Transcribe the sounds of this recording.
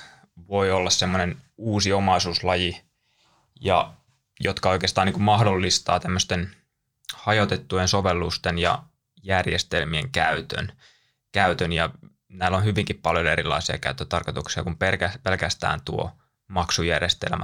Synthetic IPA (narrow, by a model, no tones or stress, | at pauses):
ʋo̞iolːɑssemːonenuːsiomɑisuːslɑji | jɑ̰ | jot̪kɑo̞ijkeːst̪ɑːniŋkummɑhdolːist̪ɑːt̪æmːøst̪en | hɑjot̪et̪ːujensoʋelːust̪enjɑ̰ | jærjest̪elmiḛŋkæyt̪ø̰n | kæyt̪ønjɑ | næːlːonhyʋiŋkippɑljoeɾilːɑ̰isiɑ̰kæyt̪ːøt̪ɑrkot̪uksiɑ̰kumpelkæpelkæst̪æ̰ːnt̪uo̰ | mɑksujærjest̪ḛlmæ